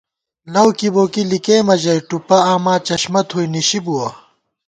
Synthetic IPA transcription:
lɐwkiboːkilikeːmɐʑɐjʈupɐaːmaːt͡ɕɐɕmɐt̪ʰhuiniɕibuwɐ

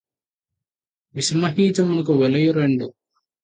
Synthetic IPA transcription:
ʋismɐɦiːt͡ʃɐmɐnɐk̬uʋɛlɐjuɾeɳɖu

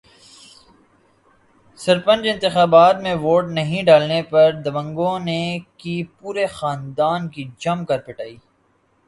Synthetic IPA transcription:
sɐɾpə̃nd͡ʒɪ̃nt̪ɪxaːbaːt̪mẽʋoːʈnɐɦĩɖaːlnepɐɾd̪ɐʋə̃ŋɡõnekipuːɾexaːnd̪aːnkid͡ʒɐmkɐɾpɪʈaːiː

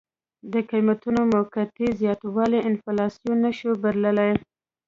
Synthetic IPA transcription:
d̪əqijmat̪unomakat̪izjɑt̪wɑleʔɪnfɑlɑsjunːəʃobaɾləlaj

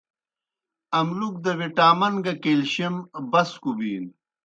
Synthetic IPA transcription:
ɐmluk̚d̪ɐwiʈaːmɐnɡɐkeːlɕimbɐskubiːn

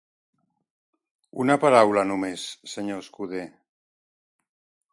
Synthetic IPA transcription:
ṵnapaɾawlanumesːeɲoeskuð̞e

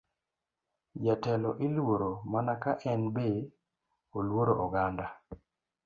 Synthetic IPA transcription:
jatɛlɔʔilwoɾomanakaʔɛnbe | olwoɾoʔɔɡanda

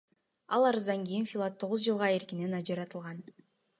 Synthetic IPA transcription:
ɑlˠɑɾɯzd̪ɑŋɡijinfʲilˠat̪ʰːo̞ʁuzd͡ʒɯlˠʁɑe̞ɾkine̞nɑd͡ʒɑɾɑt̪ɯlˠʁɑn

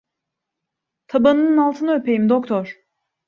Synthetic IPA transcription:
t̪ʰabanɯnɯnalˠt̪ʰɯnaøpʰe̞jimd̪ok̚t̪ʰɔɾ̥

